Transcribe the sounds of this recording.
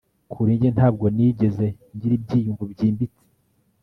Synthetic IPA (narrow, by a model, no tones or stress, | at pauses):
kʰuɾiːɲɟen̥haːbɡo̞niːɟe̞ze̞ | ɲɟiɾib̚ɟiːjuŋɡubɟiːmbit͡si̥